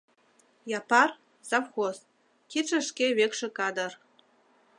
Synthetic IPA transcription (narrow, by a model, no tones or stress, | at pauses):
jɑpɑr | zɑfxos | kit͡ʃə̆ʃkeβekʃĕkɑd̪ɤ̆r